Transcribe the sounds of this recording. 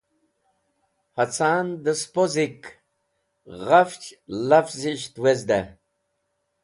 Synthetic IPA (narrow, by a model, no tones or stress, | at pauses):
hat͡sʰaːnd̪əspozik | ʁaft͡ʃlafziʃt̪wezd̪a